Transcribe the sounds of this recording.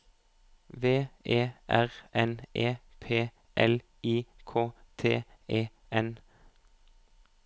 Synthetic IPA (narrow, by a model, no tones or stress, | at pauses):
ʋeːeːʔæʁʔɛnʔeːpʰeː | ʔɛl | iːkʰoːt̪ʰeːeː | ʔɛn